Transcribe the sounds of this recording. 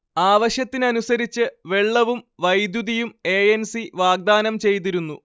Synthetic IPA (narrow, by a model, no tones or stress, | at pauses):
aːʋɐɕjɐt̪ːinɐnusɐɾit͡ɕːɨʋe̞ɭːɐʋumʋɐjd̪juðijume̞ːensiʋaːɡ̚d̪aːnɐmt͡ɕe̞jt̪̬iɾunːu